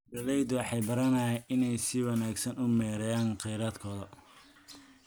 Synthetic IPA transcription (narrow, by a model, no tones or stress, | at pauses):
bɐlɛjd̪wɑħɑjbɐɾɐnɐʔɪnɛjsɪwɑnaːɡsɐnʊmɛːɾɐjaːnqɛjɾaːd̪kʰɔːðɐ